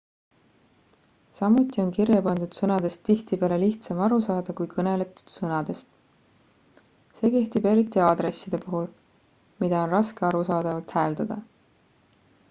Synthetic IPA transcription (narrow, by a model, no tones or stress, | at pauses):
sɑmːut̪ːˑio̞nkirjɑpɑnd̪̥ud̪̥sɤnɑd̪e̞st̪t̪ːiht̪ipeːle̞liht̪sɑmɑɾusɑːd̪̥ɑkujkʰɤne̞le̞t̪ːˑu̥d̪̥sɤnɑd̪̥e̞st̪ | se̞ːke̞ht̪ibe̞ɾit̪ːˑiɑd̪̥re̞sːid̪̥e̞puɦul | mid̪̥ɑo̞nrɑske̞ɑɾusɑːd̪̥ɑvɑlt̪hæːld̪̥ɑd̪̥ɑ